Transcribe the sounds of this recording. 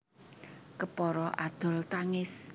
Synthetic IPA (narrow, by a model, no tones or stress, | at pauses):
kəpɔɾɔʔad̪̥ɔ̤lt̪aŋɪs